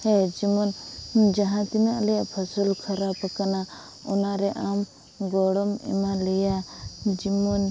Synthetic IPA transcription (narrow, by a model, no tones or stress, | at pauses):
hɛd͡ʒimɔnd͡ʒaɦãt̪inaʔlɛjaʔpʰɔsɔlkʰaɾapakana | ɔnaɾɛʔam | ɡɔɽɔmɛ̰malɛjad͡ʒimɔn